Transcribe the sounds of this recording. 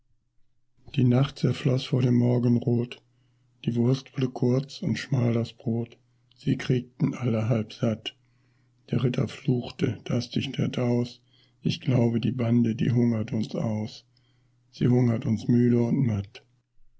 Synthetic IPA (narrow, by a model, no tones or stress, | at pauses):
d̥iːnaχt̚t͡sɛɐflɔsfoːɐɾeːmːɔɐɡən̩ʁoːt | d̥iːvʊɐstv̥ʊɐdəkʰʊɐt͡sʊntʃmaːldasb̥ʁoːt | z̥iːkʁ̥iːk̚tn̩ʔaləɦalpz̥at | d̥eːɐʁ̞ɪtʰɐ̰fluːxtəd̥asd̥ɪçtɛtaʊs | ʔɪçɡ̥laʊbədiːbandədḭːɦʊŋɐtʰʊnsʔa̰ʊs | z̥ḭːhʊŋɐtʊnsmyːɾəʊntmat